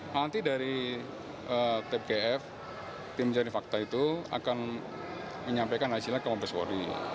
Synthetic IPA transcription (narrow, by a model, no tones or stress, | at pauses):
nant̪idaɾi | ət̪ɛp̚ɡeɛf | t̪ɪmt͡ʃaɾifak̚t̪ait̪ua̰kan | məɲampakanasilakamampɾɛswɔ̰ɾḭ